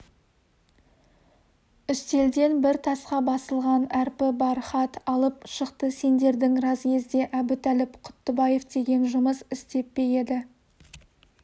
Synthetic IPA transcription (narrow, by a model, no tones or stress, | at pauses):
ʏst̪e̞ld̪e̞nbɪɾt̪ʰɑsqɑbɑsəlˠʁɑnæɾpɪbɑɾχɑt̪ɑlˠəpʃəqt̪əse̞nd̪e̞ɾd̪ɪŋrɑzkʲe̞zd̪e̞ʔæbɪt̪ælɪpqʰʊ̥t̪ːəbɑje̞fd̪e̞ɡʲe̞nʒʊməsɪst̪e̞pːe̞je̞d̪ɪ